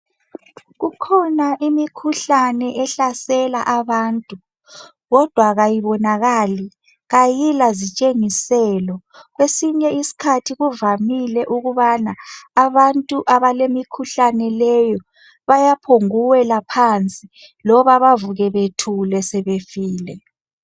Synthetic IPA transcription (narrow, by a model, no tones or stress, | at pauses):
ɣukʰɔnaʔimikʰuɬanɛʔɛɬasɛlaʔaβaːntʼu | ɣɔd̥ʱwaɣajiβɔnaɣali | ɣajilazit͡ʃʼeŋisɛlɔ | ɣwesiɲɛisi̥kʰatʰiɣuvamilɛʔuɣuβanaːβantʼuʔaβalemikʰuɬanɛlɛjɔ | βajapʰoŋuwɛlapʰant͡sʼi | lɔβaβavuɣɛβetʰulɛsɛβefiːlɛ